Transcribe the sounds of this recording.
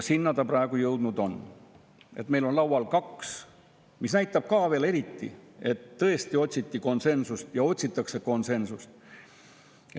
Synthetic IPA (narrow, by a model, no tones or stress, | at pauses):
sinːɑd̪̥ɑprɑe̞ɡ̥ujɤwd̪̥nud̪̥o̞n | e̞t̪me̞jlo̞nlɑwwɑlkɑks | misnæjt̪ːˑɑb̥̚kɑːve̞ːle̞ɾit̪ːḭe̞t̪ːɤ̞est̪io̞t̪ʲsit̪ːiko̞nse̞nsust̪jɑo̞t̪ʲsit̪ːˑɑkse̞ko̞nse̞nsust̪